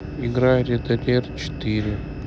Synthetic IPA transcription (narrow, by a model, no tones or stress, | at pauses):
ɪɡɾaɾʲɪd̪ɐlʲert͡ɕɪ̥t̪ɨɾʲɪ